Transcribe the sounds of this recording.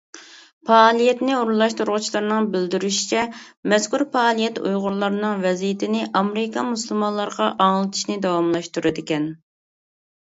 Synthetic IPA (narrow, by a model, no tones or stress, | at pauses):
pʰɑːlˠijɛt̪nɪuɾlˠɑʃt̪uɾʁʊt͡ʃʰilˠɑɾnɨŋbɪld̪yɾyʃi̥t͡ʃʰɛmɛskuɾpɑːlˠijɛt̪ṵjʁʊɾlˠɑɾnɨŋvɛzijt̪ʰɪnɪʔɑmɾɪkʰɑmusulˠmɑnlˠɑɾʁɑʔɑŋlˠɨt̪ʰɪ̥ʃnɪd̪ɑwɑmlˠɑʃt̪uɾɨd̪ɪkʲɛn